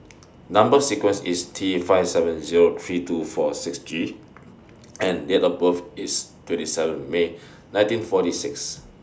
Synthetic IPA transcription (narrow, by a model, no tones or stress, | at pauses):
nãmbəsikwə̃nsistʰifaɪfsɛvə̃nziɹot̪ʰɹitufɔsiksd͡ʒi | ɛ̃ndetɔbəfistwɛ̃ntisɛvə̃nme | nãj̃ntĩnfɔtisiks